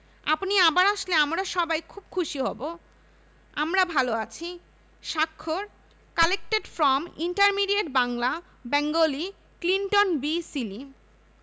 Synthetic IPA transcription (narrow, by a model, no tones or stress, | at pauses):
a̰pniabaɾaʃleamɾaʃɔbajkʰub̚kʰuʃiɦɔbo | amɾabʱaloat͡ɕʰi | ʃakʰːoɾ | kalek̚ʈeɖfɾɔmḭɳʈaɾmiɖieʈbaŋla | bɛŋɡoli | kliɳʈonbisili